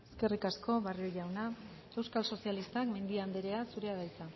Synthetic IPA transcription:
eske̞rikasko̞βarioʝawna | e̞wskalso̞sialist̪akme̞nd̪iand̪eɾe̞asuɾe̞aɣajt͡sa

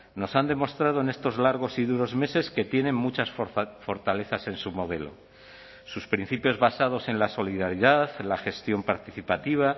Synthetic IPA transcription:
no̞sand̪e̞mo̞st̪ɾað̞o̞ene̞st̪o̞zlaɾɣ̞o̞siðuɾo̞zme̞se̞ske̞t̪je̞nẽ̞mmut͡ʃasfo̞ɾt̪ale̞θase̞nsumo̞ð̞e̞lo̞̰ | suspɾin̟θipjo̞zβasað̞o̞se̞nlaso̞liðaɾiðaðlaxe̞st̪jo̞mpaɾt̪iθipat̪iβ̞a

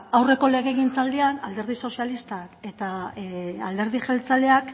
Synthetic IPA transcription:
awre̞ko̞le̞ɣ̞eɣ̞int͡sald̪ianald̪e̞ɾð̞iso̞sialist̪ake̞t̪a | ald̪e̞ɾð̞iʝelt͡sale̞ak

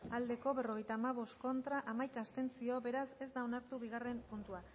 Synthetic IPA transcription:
ald̪e̞ko̞βe̞ro̞ɣe̞jt̪aːmaβ̞o̞st̪̚ko̞nt̪ɾaʔamajkast̪e̞nt͡sio̞be̞ɾase̞zd̪ao̞naɾt̪uβiɣ̞are̞mpunt̪ua

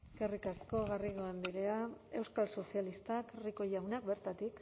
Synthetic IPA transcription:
eske̞rikasko̞ɣariɣ̞o̞end̪iɾe̞ae̞wskalso̞sialist̪akriko̞ʎawnakbe̞ɾt̪at̪ik

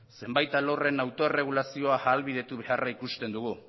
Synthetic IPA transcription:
se̞mbajt̪alore̞nawt̪o̞ere̞ɣ̞ulasio̞aalβið̞e̞t̪uβe̞araikust̪e̞nd̪uɣu

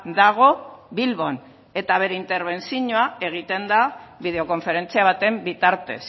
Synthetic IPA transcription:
d̪aɣ̞o̞βilβo̞n | e̞t̪aβ̞e̞ɾeint̪e̞ɾβ̞e̞nsiɲoae̞ɣ̞it̪e̞nd̪aβið̞e̞o̞ko̞ɱfe̞ɾe̞nt͡siaβ̞at̪e̞mbit̪aɾt̪e̞̰s

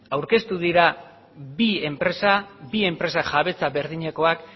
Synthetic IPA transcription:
awɾke̞st̪uð̞iɾa | bie̞mpɾe̞sabie̞mpɾe̞saʝaβe̞t͡saβe̞ɾðiɲe̞ko̞ak

